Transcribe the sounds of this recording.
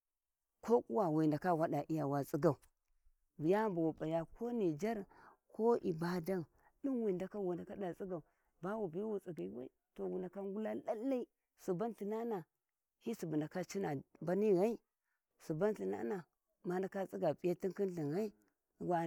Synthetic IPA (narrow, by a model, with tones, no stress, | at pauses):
ko˦ku˦wa˨wi˨nda˨ka˦˨wa˦da˨ʔi˦ja˨wa˨t͡sʼi˦ɡa˨u˨ | bi˨ja˦mba˨wu˨ba˨ja˨ko˦ni˨d͡ʒa˦ɾ | kʰo˦ʔḭ˨ba˦da˦n | ɗi˦n˦wi˨da˨ka˦wi˨nda˨ka˦da˨t͡sʼi˦ɡa˨u˨ | ba˦wu˨bi˨˦wu˨t͡si˨ɡa˨i˦wa̰˦i˦˨to˨wu˨nda˨ka˦ŋ˦ɡu˦la˦la˦lːa˦i˦ | su˨ba˦nɬi˨na˦na˨ | hi˦su˨bu˨nda˨ka˦t͡ʃi˦na˨ba˦ni˦ɣa˦i˦ | su˨ba˦nɬi˨na̰˦na˨ | ma˦nda˨ka˦t͡sʼi˦ɡa˨pʼi˦ja˦ti˦nki˦nɬi˨nɣa˦i˦ | wa˨